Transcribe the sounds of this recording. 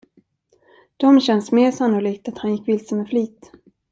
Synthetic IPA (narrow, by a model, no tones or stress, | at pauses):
d̪̥ɔmɕɛnsmeːʂanːʊliːk̚t̪at̪hanjɪkːvɪlsəmɛfliːt̪